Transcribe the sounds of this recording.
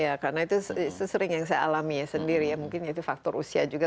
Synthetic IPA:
jakarnait̪ussəsəɾɪŋjaŋsaja̰alamiɲasəndiɾijamuŋkɪnjait̪ufak̚t̪ɔɾṵsiad͡ʒuɡa

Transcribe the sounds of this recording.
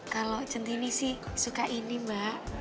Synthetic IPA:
kalo̥t͡ʃənt̪inisɪhsukaʔinimbaʔ

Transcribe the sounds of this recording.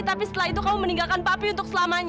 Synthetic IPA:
t̪apisə̥t̪əlahit̪ukamuməniŋɡalkanpapiunt̪ʊk̚səlamaɲ

